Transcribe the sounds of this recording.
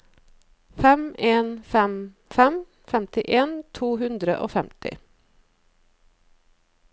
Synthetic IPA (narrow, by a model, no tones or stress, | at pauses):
fɛmeːnfɛm | fɛm | fɛmt̪ɪʔeːnt̪ʰuːɦʉnd̪ɾəʔo̰ːfɛmt̪ʰɪ̰